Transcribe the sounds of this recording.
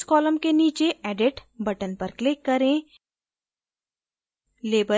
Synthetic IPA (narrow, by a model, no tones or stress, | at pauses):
kɔːləmkeniːt͡ʃeʔɛːɖɪʈbɐʈənpɐɾklɪkːɐɾẽː | leːbə